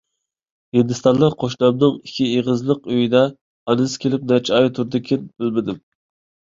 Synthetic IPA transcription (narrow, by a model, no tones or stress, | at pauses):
hɪnd̪ɨst̪ɑnlˠəqqʰoʃlɑbnɨŋikʲʰieʁəzlˠəqøjid̪ɛ | ɑnɨskʲʰelɪp̚nɛt͡ʃʰɑjt̪ʰuɾd̪ɨkʲʰɪnb̥ɪlmɪd̪ɪm